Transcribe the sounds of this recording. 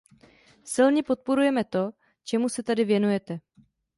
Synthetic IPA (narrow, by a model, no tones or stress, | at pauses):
sɪlɲɛpo̞t̪̚po̞ɾujɛmɛt̪o̞ | t͡ʃɛmusɛt̪adɪvjɛnujɛt̪ɛ